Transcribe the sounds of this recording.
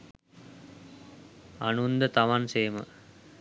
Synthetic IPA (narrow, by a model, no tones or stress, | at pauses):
a̰nund̪ət̪aʋanseːmə̰